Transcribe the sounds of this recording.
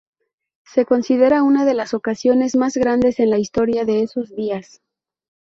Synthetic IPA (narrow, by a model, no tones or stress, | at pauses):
se̞ko̞nsiðe̞ɾaunaðe̞laso̞kasjo̞ne̞zmazɣɾand̪e̞se̞nlaist̪o̞ɾjaðe̞e̞so̞zðias